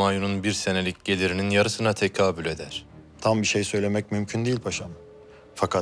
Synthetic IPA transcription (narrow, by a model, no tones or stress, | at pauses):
ajununbiɾse̞ne̞lʲicɟe̞lʲiɾininjaɾɯsɯnat̪ʰecʰaːbylʲe̞d̪æɾ̥ | t̪ʰambiʃejsø̞jlʲe̞mɛc̚mymcʰynd̪eilʲpʰaʃam | fakʰa